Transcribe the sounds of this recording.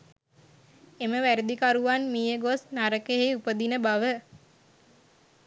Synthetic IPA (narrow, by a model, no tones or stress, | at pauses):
eməʋæɾid̪ikaɾuʋanmiːjəɡosnaɾəkeɦejupəd̪inəbaʋə